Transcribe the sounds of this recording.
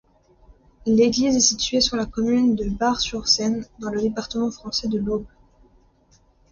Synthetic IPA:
leɡlizɛsit̪ɥesyʁlakɔmynd̪əbaʁsyʁsɛnd̪ɑ̃ləd̪epaʁt̪əmɑ̃fχɑ̃sɛd̪əlob

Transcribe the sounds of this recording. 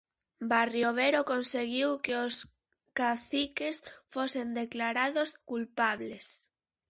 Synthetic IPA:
barjoβ̞eɾokonseɣiwkeos | kaθikesfosend̪eklaɾaðoskulpaβles

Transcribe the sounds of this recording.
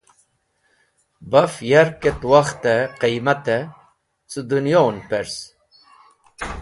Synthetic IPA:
bafjaɾket̪waxt̪eqejmat̪e | t͡sɨd̪unjonpeɾs

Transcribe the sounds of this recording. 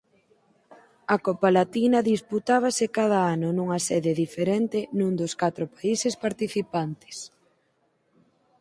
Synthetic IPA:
ɐkɔpalat̪inɐðisput̪aβ̞asɪkað̞aanʊnuŋɐsɛðeðifeɾɛnt̪ɪnũnd̪oskat̪ɾopaisespaɾt̪iθipant̪ɪ̥s

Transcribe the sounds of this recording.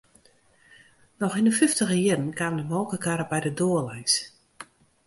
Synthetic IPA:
nɔxindəfɪftəɣəjɪɾən̩kaːməndəmɔlˠkəkaɾəbɛjdədoːəlɛjs

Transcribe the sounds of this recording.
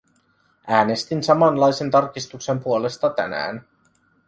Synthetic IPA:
ʔæːne̞st̪insɑmɑnlɑjse̞nt̪ɑrkist̪ukse̞mpuole̞st̪ɑt̪æ̰næ̰ːn

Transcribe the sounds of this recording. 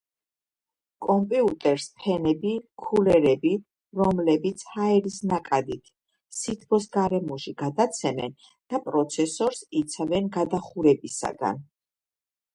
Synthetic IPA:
kʼɔmpʼiut̪ʼɛɾspʰɛnɛbikʰulɛɾɛbi | ɾɔmlɛbit̪sʰhaɛɾisnakʼad̪it̪ʰ | sit̪ʰpʰɔsɡaɾɛmɔʃiɡad̪at̪sʰɛmɛ̰n | d̪̥apʼɾɔt̪sʰɛsɔɾsit̪sʰavɛnɡad̪aχuɾɛbisa̰ɡa̰n

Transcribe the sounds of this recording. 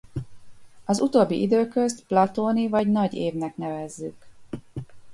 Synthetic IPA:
ɒzut̪oːbːḭʔid̪øːkø̞st̪plɒt̪oːnivɒɟnɒɟeːvnɛknɛvɛzːyk

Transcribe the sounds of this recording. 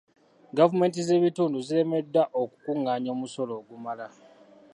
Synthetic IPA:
ɡavume̞ːnt̬ize̞ːβituːnduziɾe̞me̞dːaʔokukuŋːaːɲo̞ːmuso̞lo̞ːɡumala

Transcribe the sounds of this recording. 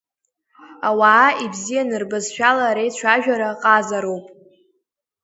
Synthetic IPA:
awaːibzijanɨrbazʃᶣalaɾejt͡ɕʷʰaʒᶣaɾaqʼazaɾowpʼ

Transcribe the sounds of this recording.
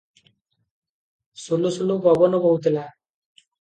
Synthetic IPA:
sulusulubʱɔbɔnɔbɔut̪ila

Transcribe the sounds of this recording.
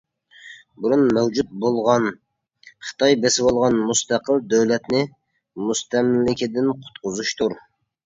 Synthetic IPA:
buɾunmɛwd͡ʒut̪̚bolˠʁɑn | χɨ̥t̪ʰɑjbesɪwɑlˠʁɑnmust̪ɑqʰəlˠd̪øwlɛt̪nɪ | must̪ɛmlːɪkʲɪd̪ɪnqʰʊ̥t̪qʰʊzuʃt̪ʰuɾ

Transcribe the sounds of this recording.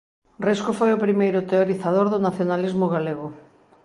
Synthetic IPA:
riskofojʊpɾimejɾʊt̪eoɾiθaðoɾðʊnaθjonalizmʊɣaleɣʊ

